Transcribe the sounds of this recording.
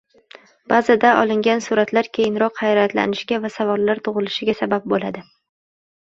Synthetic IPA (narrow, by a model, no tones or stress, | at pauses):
b̥azad̪aʔɒ̰lˠɪŋɡʲansʊɾat̪ʰlaɾkʲʰe̞jɪnɾɒqhajɾat̪la̰nɪʃɡʲavasavɒlːaɾt̪ʰʊʁɨlɪʃɪɡʲasabap̚bolad̪ɪ